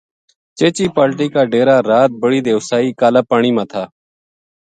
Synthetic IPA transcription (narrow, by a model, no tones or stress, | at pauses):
t͡ʃeːt͡ʃiːpaːlʈiːkaːɖeːɾaːɾaːt̪̚bəɽiːd̪eːʊsaːiːkaːlaːpaːɳ̃iːmãːt̪ʰaː